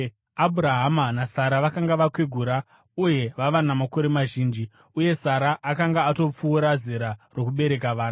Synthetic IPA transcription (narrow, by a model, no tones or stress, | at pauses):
abʱuɾaɦamanasaɾaʋakaŋɡaʋakweɡʱuɾa | uje̞ʋaʋanamako̞ɾe̞maʒiːnd͡ʒi | uje̞saɾaʔakaŋɡaːto̞p͡fuːɾazeɾaro̞kuɓe̞ɾe̞kaʋaːna